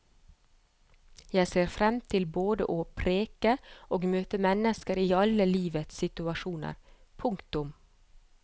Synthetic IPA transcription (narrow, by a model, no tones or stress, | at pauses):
jæɪseːɾfɾɛmt̪ʰɪlboːd̪ə̰ʔoːpʰɾeːkəʔoːɡmøːt̪əmɛnəskəɾiːɑləliːʋət̪sɪt̪ʉɑʃuːnə̰ɾ | pʰʊŋkt̪ʊm